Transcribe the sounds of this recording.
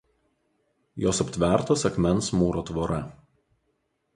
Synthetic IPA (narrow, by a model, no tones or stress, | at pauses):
joːsɐpʲt̪ʲʋʲɛˑɾt̪oːsʲɛkmʲɛnˑsmuːɾoːt̪ʋoːɾɐ